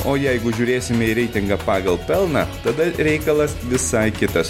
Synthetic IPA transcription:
oːjɛɪɡʊʒʲuːɾʲeːsʲɪmʲɛiɾʲɛɪt̪ʲɪŋɡɐpɑːɡɐlˠpʲɛlˠnɑ̰ːt̪ɐd̪ɐɾʲɛɪkɐlˠɐsʋʲɪsɐɪkʲɪt̪ɐs

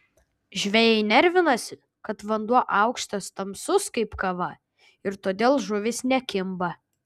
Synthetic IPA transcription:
ʒʲʋʲɛjɛɪnʲɛɾʲʋʲɪnɐsʲɪ | kɐt̪ʋɐnd̪uɔʔɐˑʊkʃt̪ɐst̪ɐmsʊskɐɪpkɐʋɐ | ɪɾt̪oːd̪ʲeːlˠʒʊʋʲɪsnʲɛkʲɪmbɐ

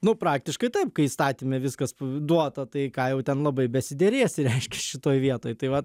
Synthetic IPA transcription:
nʊpɾɑːk̚t̪ʲɪʃkɐɪt̪ɐɪp̚kɐɪist̪ɑːt̪ʲimʲɛʋʲɪskɐsd̪uɔt̪ɐt̪ɐɪkɑːjɛʊt̪ʲɛnlˠɐbɐɪbʲɛsʲɪd̪ʲɛɾʲeːsʲɪɾʲɛɪʃʲkʲɛʃʲɪt̪oːjʋʲiɛt̪oːjt̪ɐɪʋɐt

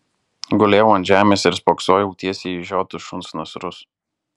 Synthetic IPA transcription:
ɡʊlʲeːʊɐnt̪ʒʲæːmʲeːsɪɾspɔːksoːjɛʊt̪ʲiɛsʲiːʒʲoːt̪ʊʃʊnsnɐsɾʊs

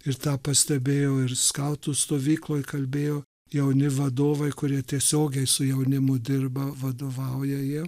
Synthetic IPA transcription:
ɪɾt̪ɑːpɐsʲt̪ʲɛbʲeːjoːɪrskɐʊt̪uːst̪oːʋʲiːklˠoːjkɐlʲbʲeːjoː | jɛʊnʲɪʋɐd̪oːʋɐɪkʊɾʲiɛt̪ʲiɛsʲoːɡʲɛɪsʊjɛʊnʲɪmʊd̪ʲɪrbɐʋɐd̪oːʋɐʊjɛjiɛ

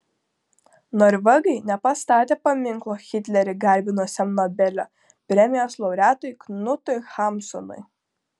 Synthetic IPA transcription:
nɔɾʋʲɛɡɐɪnʲɛpɐst̪ɑːt̪ʲeːpɐmʲɪŋklˠoːxʲɪt̪ʲlʲɛɾʲɪɡɐlʲbʲɪnoːsʲɛmnɔbʲɛlʲoː | pʲɾʲɛmʲɪjoːslˠɔʊɾʲæːt̪ɔjknʊt̪ɔjxɑmsɔnʊ̰j

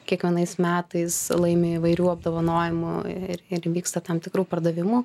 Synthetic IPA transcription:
kʲiɛkʋʲiɛnɐɪsmʲæːt̪ɐɪslˠɐɪmʲeːɪʋɐɪɾʲuːɐb̚d̪oːʋɐnoːjɪmʊɪ̰ɪɾɪɾʋʲiːkst̪ɐt̪ɐmt̪ʲɪkɾuːpɐɾd̪ɐʋʲɪmʊ

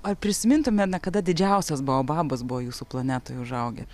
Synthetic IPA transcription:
oːɐrpʲɾʲɪsʲɪmʲɪnt̪ʊmʲɛnɐkɐd̪ɐd̪ʲɪd͡ʒʲɛʊsʲɛsbuʋoːbɑːbɐsbuʋoːjuːsuːplˠɐnʲæːt̪oːjɛʊʒɐʊɡʲɛ̰

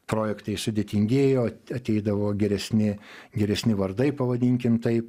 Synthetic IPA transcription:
pɾoːjɛkt̪ɐɪsʊd̪ʲeːt̪ʲɪŋʲɡʲeːjoːɐt̪ʲɛɪd̪ɐʋoːɡʲɛɾʲɛsʲnʲɪɡʲɛɾʲɛsʲnʲɪʋɐrd̪ɐɪpɐʋɐd̪ʲiŋʲkʲɪmt̪ɐɪp

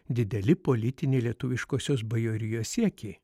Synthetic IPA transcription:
d̪ʲɪd̪ʲɛlʲɪpoːlʲɪt̪ʲɪnʲeːlʲiɛt̪ʊʋʲɪʃkoːsʲoːsbɐjoɾʲɪjoːssʲiɛkʲeː

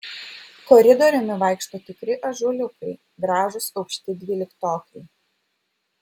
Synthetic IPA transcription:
kɔɾʲɪd̪ɔɾʲɪmʲɪʋɐˑɪkʃt̪oːt̪ʲɪkɾʲɪʔɐʒʊlʲʊkɐɪ | ɡɾɑːʒʊsɐʊkʃʲt̪ʲɪd̪ʲʋʲiːlʲɪkt̪oːkʲɐɪ

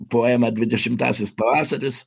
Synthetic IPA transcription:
poːjɛmɐd̪ʲʋʲɪd̪ʲɛʃʲɪmt̪ɑ̰ːsʲɪspɐʋɑːst̪ɐt̪ʲɪs

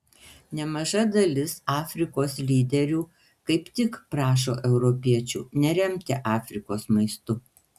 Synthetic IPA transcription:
nʲɛmɐʒɐd̪ɐlʲɪsɑːfʲɾʲɪkoːslʲiːd̪ʲɛɾʲuː | kɐɪpt̪ʲɪkpɾɑːʃ̬o̰ːʔɛʊɾɔpʲiɛt͡ʃʲṵːnʲɛɾʲɛmʲt̪ʲɛʔɑːfʲɾʲɪkoːsmɐɪst̪ʊ

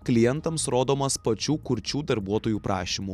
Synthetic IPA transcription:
klʲɪjɛnt̪ɐmsɾoːd̪oːmɐspɐt͡ʃʲuːkʊɾʲt͡ʃʲuːd̪ɐɾbuɔt̪oːjuːpɾʔɑːʃʲimuː

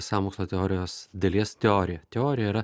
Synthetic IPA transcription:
sɑːmoːksloːt̪ʲɛoːɾʲɪjoːsd̪ʲɐlʲiɛst̪ʲɛoːɾʲɪjɛt̪ʲɛoːɾʲɪjɛiɾɐ

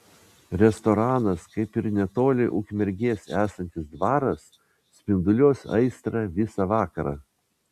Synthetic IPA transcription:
ɾʲɛst̪ɔɾɑːnɐskɐɪpɪɾnʲɛt̪oːlʲɪʔʊkʲmʲɛɾʲɡʲeːsʲæːsɐnʲt̪ʲɪsd̪ʋɑːɾɐs | sʲpʲɪnd̪ʊlʲoːsɐ̰ɪst̪ɾɑʋʲɪsɑʋɑːkɐɾɑ̰ː

